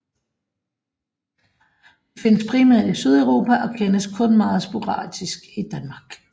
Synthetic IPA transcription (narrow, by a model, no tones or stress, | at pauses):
d̥efe̝nəspʰʁiːmæɐ̰d̥isyð̞ˠæʊʁo̝ːpʰæʔɒ̽kʰenəskʰɔ̽nmɑ̈ːð̩ˠsb̥o̝ʁɑ̰̈ːd̥isɡ̥id̥ænmɑ̈ːɡ̥